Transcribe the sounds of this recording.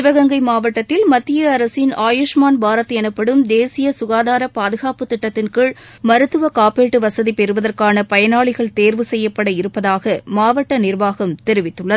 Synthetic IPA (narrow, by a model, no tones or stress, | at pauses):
ɪʋɐɣɐŋɡɐɪmaːʋɐʈːɐt̪ːɪlmɐt̪ːɪjɐɐɾɐsɪnaːjʊʂmaːnbʱaːɾɐt̪ːɐɛnɯpːɐɽɯmd̪eːsɪjɐsʊɣaːðaːɾɐpaːðɯɣaːpɯt̪ɪʈːɐt̪ːɪnkɯɭ | mɐɾɯt̪ːɯʋɐkaːpeːʈːɯʋɐsɐðipɛɾɯʋɐðɐrkaːnɐpɐjɐnaːɭɪɣɐɭt̪eːɾʋɯsɛjːɐpːɐɽɐɪɾɯpːɐðaːɣɐmaːʋɐʈːɐnɪrʋaːɣɐmt̪ɛɾɪʋɪt̪ːɯɭːɐðɯ